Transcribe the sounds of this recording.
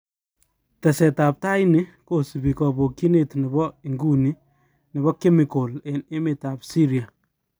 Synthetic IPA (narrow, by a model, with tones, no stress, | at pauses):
tɐ˨sɛ˨ta˨p̚ta˦jnɪ˦ko˨si˨bi˨kɔ˨bo˨ki˦ne˨tni˨bɔ˦iŋɡu˦ni˦ | nɪ˨βɔ˦ke˦mɪ˨ko˨le˨nɪ˦me˨ta˨psi˦ɾia˨